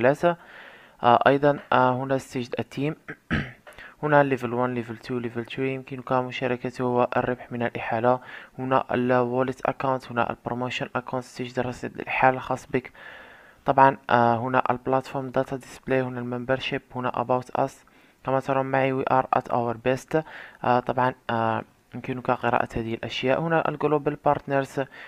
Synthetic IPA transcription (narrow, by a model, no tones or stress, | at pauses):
læt̪a | ʔɑjd̪ˤɑnhʊnæst̪ːəʒd̪ət̪ːim | hʊnælːivəlwænlivəlt̪ʰulivəlt̪wijəmkənukæmʊʃæɾˤəkæt̪ihʊwːæʔə̰rːəbħmənəlʔiħalahʊnæ̰ʔə̰lwolət̪ʔæ̰kːawnt̪hʊnæ̰ʔə̰lpɾomoʃənʔækawnt̪st̪əʒd̪ɾˤɑsiə̰lʔħallxɑsˤːbək | t̪ˤɑbʕɑnɦʊnæʔəlblæt̪foɾˤmd̪ɑt̪ɑd̪əsplehʊnælmæmbəɾˤʃiphʊnæ̰ʔə̰bawt̪ʔæ̰s | kæmæt̪ɑɾˤɑmːaʕiwiʔɑɾˤʔæ̰t̪ʔo̰wəɾbæst̪t̪ˤɑbʕɑn | jəmkənukæqəɾɑ̰ʔæ̰t̪hæd̪əhəlʔæʃjaʔhʊnæʔə̰lɡlobəlpɑɾˤt̪nəɾz